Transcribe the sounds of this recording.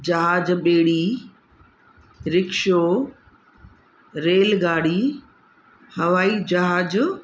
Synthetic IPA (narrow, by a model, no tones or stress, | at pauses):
d͡ʑɐɦaːd͡ʑɓeːɽi | ɾɪkʃoː | ɾeːlɡaːɽi | hɐʋaːid͡ʑɐɦaːd͡ʑ